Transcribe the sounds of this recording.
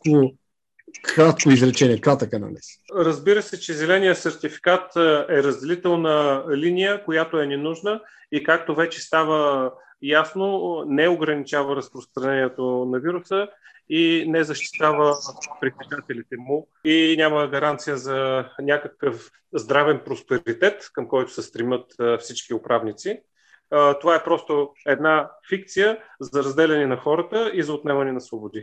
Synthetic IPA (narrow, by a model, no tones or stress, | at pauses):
ko | xɾat̪koizɾɛt͡ʃɛnʲiɛkɾat̪əkənɐ̰nɛ̰sɾəzbiɾəsɛt͡ʃɛzɛlɛnijəsɛɾt̪ifi̥kat̪ɛɾəzd̪ɛlit̪ɛlˠnəlinijəkojat̪oɛnɛnuʒnə | ikak̚t̪ovɛt͡ʃɛst̪avə | jasnonɛoɡɾɐnit͡ʃavəɾɐspɾost̪ɾɐnɛniɛt̪onɐviɾusə | inɛzɐʃt̪i̥t̪avəpɾikɐzat̪ɛlit̪ɛmʊ | inʲaməɡɐɾant̪sijəzɐnʲakəkəf | zd̪ɾavɛnpɾospɛɾit̪ɛt̪kəmkɔjt̪ʊ̥sɛst̪ɾimɤt̪fsit͡ʃkiʊpɾavnit̪si | t̪ovaɛpɾɔst̪oɛd̪nafik̚t̪sijəzɐɾɐzd̪ɛlʲɛnɛnɐxɔɾət̪əizɐot̪nɛmɐnɛnɐsvobʊd̪i